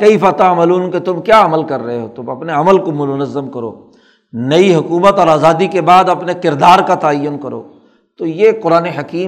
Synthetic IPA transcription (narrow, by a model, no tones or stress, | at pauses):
kɐifaːt̪amːluːnket̪ʊmkjaːɐməlkɐɾːɐɦeɦoːt̪ʊmɐpneɐməlkomʊt̪ənəzːəmkɐɾo̰ː | nɐiɦʊkuːmət̪ɔːɾaːzaːd̪ikebaːd̪ɐpnekɪɾd̪aːɾkat̪aːjʊnkɐɾo̰ː | t̪ojeːqʊɾaːneɦɐkiː